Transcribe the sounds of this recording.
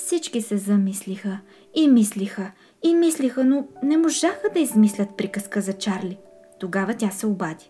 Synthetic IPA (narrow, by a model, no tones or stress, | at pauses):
fsit͡ʃkisɛzɐmislixə | imislixə | imislixənonɛmoʒaxəd̪ɐizmislʲət̪̚pɾikəskəzɐt͡ʃaɾlʲi | t̪oɡavɐt̪ʲasɛobad̪i̥